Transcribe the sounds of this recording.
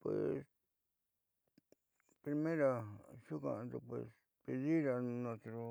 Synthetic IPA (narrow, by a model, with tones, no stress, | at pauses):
pwḛ˨s | pɾi˧mẽ˦ɾa˧su˦kã̰˧d̪u˧pwḛ˧s | pe˧ði˦ɾa˧nõ˧t̪ɾo˧